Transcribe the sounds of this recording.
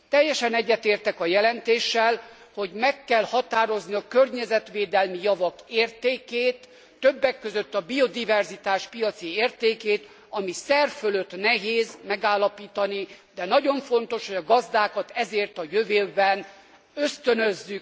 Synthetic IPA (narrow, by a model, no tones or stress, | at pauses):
t̪ɛjːɛʃɛnɛɟːɛt̪eːrt̪ɛkɒjɛlɛnt̪eːʃːɛl | ho̞ɟmɛkːɛlhɒt̪aːɾo̞zniɒkørɲɛzɛt̪ʋeːd̪ɛlmijɒvɒkeːrt̪eːkeːt̪ː | øbːɛkːøzøt̪ːɒbio̞d̪ivɛrzit̪aːʃpijɒt̪sieːrt̪eːkeːt̪ | ɒmisɛrføløt̪nɛɦeːzmɛɡaːlːɒpiːt̪ɒnid̪ɛnɒɟo̞ɱfo̞nt̪o̞ʃhoɟɒɡɒzd̪aːkɒt̪ɛzeːrt̪ɒjøveːbɛn | øst̪ønøzːyk